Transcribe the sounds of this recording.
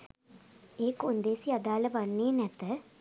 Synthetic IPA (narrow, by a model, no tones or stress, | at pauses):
eːkond̪eːsiad̪aːləʋanːeːnɛt̪ə